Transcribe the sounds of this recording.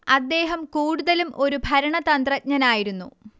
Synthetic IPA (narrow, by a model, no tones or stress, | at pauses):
ɐd̪ːe̞ːɦɐmkuːɽuðɐlumʔo̞ɾubʱɐɾɐɳɐt̪ɐnd̪rɐt̚ɲɐnaːjiɾunːṵ